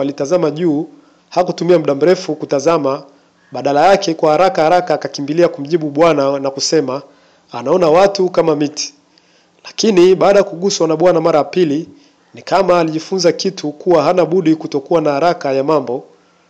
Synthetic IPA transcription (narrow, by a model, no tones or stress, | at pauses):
alitazamaʄuː | hakutumiam̩ɗam̩ɾɛfukutazama | ɓaɗalajakɛkwahaɾakahaɾakaːkakimbiliakum̩ʄiɓuɓwananakusɛmaː | naɔnawatukamamiti̥ | lakiniɓaːɗajakuɠuswanaɓwanamaɾajapili | nikamaːliʄifunzakitʰukuwaɦanaɓuɗikutɔkuwanahaɾakajamambɔ